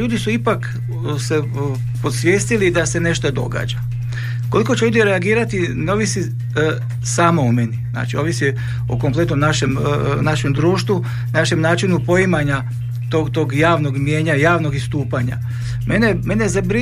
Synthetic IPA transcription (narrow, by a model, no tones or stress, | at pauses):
uːd̪isuipak | se̞ | pot̪sʋʲje̞ːst̪ilid̪ase̞ne̞ʃt̪od̪o̞̰ɡa̰ːd͡ʒa | ko̞liko̞t͡ɕeuːd̪jeɾeaɡiːɾat̪ineo̞ːʋisi | saːmoume̞nizna̰ːt͡ʃio̞ʋisi | o̰ko̞mple̞t̪nomnaʃemnaʃemd̪ɾuːʃt̪ʋu | naʃe̞mnaːt͡ʃinupo̞imaɲa | t̪oɡt̪o̞ɡjaːʋno̞ɡmje̞ːɲajaːʋno̞ɡist̪uːpaɲa̰ | meneme̞nezabɾi